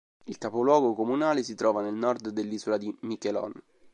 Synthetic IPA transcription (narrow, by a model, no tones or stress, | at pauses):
ilkapolwɔːɡokomunaːlesit̪ɾɔːvanelnɔrd̪d̪elːiːzolad̪imikelɔ̰n